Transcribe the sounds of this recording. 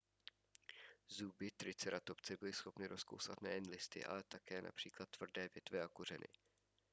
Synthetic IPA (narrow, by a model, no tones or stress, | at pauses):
zubɪt̪ɾɪt͡sɛɾʔat̪o̞pt͡sɛbɪlɪsxo̞pnɪɾʔo̞sko̞̰wsat̪nɛjɛnlɪst̪ɪ̰ʔa̰lɛt̪akɛːnʔa̰pr̥iːklat̪ːvr̩dɛːvjɛt̪vɛʔakur̝ɛnʔɪ̰